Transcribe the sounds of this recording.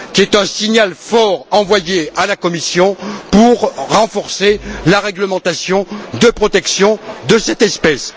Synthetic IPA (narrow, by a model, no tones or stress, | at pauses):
kʲiɛt̪ɛ̃siɲalfɔʁɑ̃vwajealakɔmisjɔ̃puʁʁɑ̃fɔʁselaʁɛɡləmɑ̃t̪asjɔ̃d̪əpχɔt̪ɛksjɔ̃d̪əsɛt̪ɛspɛs